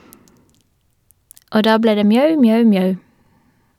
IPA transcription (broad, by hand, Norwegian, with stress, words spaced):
ˈʔoː ˈdɑː ˈbleː ˈdeː ˈmjœʉ ˈmjœʉ ˈmjœʉ